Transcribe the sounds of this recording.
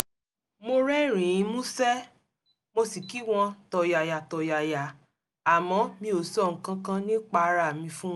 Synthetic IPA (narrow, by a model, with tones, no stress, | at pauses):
mo˧ɾɛ˦˨ɾ̃ĩ˨ĩ˨˧˦mũ˦sɛ˦ | mo˧si˨ki˦w̃ɔ̃˧tɔ˨ja˨ja˨tɔ˨ja˨ja˨ | a˨mɔ̃˨˧˦mĩ˧o˨sɔ˦˨ŋ̩˨kã˧kã˧nĩ˦k͡pa˧ɾa˦˨mĩ˧fũ˦